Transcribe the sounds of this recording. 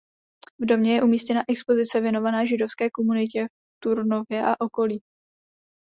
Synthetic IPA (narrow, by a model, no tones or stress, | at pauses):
vdo̞mɲɛjɛʔumiːscɛnaʔɛkspo̞zɪt͡sɛvjɛno̞vanɛːʒɪdo̞fskɛːkomunɪcɛf | t̪uɾno̞vjɛʔaʔo̞ko̞liː